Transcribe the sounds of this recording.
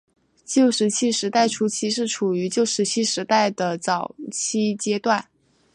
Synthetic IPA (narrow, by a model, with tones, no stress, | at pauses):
t͡ɕjo˥˩ʊʂɻ̩˧˥t͡ɕʰi˥ʂɻ̩˧˥t̪a˥˩ɪʈ͡ʂʰu˥t͡ɕʰi˥ʂɻ̩˥˩ʈ͡ʂʰu˨˩y˧˥t͡ɕjo˥˩ʊʂɻ̩˧˥t͡ɕʰi˥ʂɻ̩˧˥t̪a˥˩ɪd̪ə˩t͡sɑ˨˩ʊt͡ɕʰi˥t͡ɕjɛ˥t̪wa˥˩n